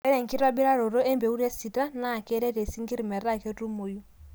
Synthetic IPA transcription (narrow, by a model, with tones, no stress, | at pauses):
ɛ˦ɾɛ˨ŋ˨ki˦ɾwa˦bi˦ɾa˦ɾo˨ɾo˦ɛ˦mbe˨u˦ɾe˦si˨ta˦na˦˨kɛ˦ɾɛ˦ɾe˨si˦ŋɡi˦ɾi˨mɛ˨ɾa˦˨ke˦tu˦mo˨ju˦